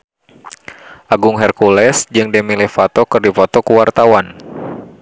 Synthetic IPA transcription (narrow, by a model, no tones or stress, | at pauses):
ʔaɡuŋɦɛrkulɛsd͡ʒɨŋdɛmilɛfat̪ɔkɨrdifɔt̪ɔkuwart̪awan